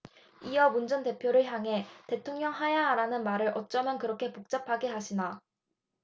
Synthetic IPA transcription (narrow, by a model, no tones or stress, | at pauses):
ijʌmund͡ʑʌnte̞pʰjoɾɯɭçjaŋɦe̞te̞tʰoŋɲʌŋɦajaɾanɯnmaɾɯɾʔʌt̚t͡ɕ͈ʌmjʌnkɯɾʌkʰe̞pok̚t͡ɕ͈apʰaɡe̞ɦaɕʰina